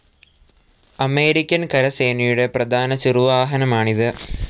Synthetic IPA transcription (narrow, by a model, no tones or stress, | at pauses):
ɐme̞ːɾikʲːɐnkɐɾɐse̞ːnɐjuɽe̞prɐd̪ʱaːnɐt͡ɕiruʋaːɦɐnɐmaːɳiðɨ